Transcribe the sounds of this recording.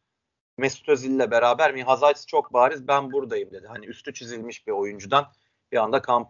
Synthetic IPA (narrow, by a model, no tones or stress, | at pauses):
mest̪u̥t̪ʰøzilʲiːɛbe̞ɾaːbæɾmiɦazaːt̪ʰst͡ʃʰo̞k̚baːɾizbænbuɾd̪ajɯmd̪e̞d̪iɦaniyst̪ʰyt͡ʃʰizilʲmiʃbio̞jund͡ʒud̪an | biand̪akʰamp